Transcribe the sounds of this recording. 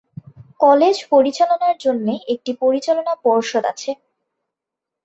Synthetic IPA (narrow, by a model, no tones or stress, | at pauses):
kɔled͡ʑpoɾit͡ɕalonaɾd͡ʑonːeek̚ʈipoɾit͡ɕalonapɔɾʃod̪a̰t͡ɕʰe